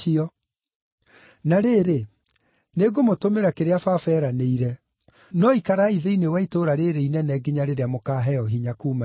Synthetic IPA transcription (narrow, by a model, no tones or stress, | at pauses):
iɔ | naɾeːɾe | neɡomotomeɾakeɾeafafɛːɾaneiɾɛ | nɔikaɾaiðeinewaitoːɾaɾeɾeinɛnɛɡiɲaɾeɾeamokaːɦɛɔɦiɲakuːma